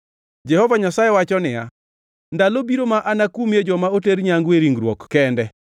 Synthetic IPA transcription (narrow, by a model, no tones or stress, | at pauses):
d͡ʒɛhɔvaɲasajewat͡ʃɔnɪja | ndalobiɾomaʔanakumjed͡ʒɔmaoteɾɲaŋɡweɾiŋɡɾwɔkːɛndɛ